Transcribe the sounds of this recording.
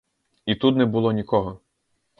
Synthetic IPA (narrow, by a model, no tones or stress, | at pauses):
it̪ut̪nɛbʊlˠɔnʲikɔɦɔ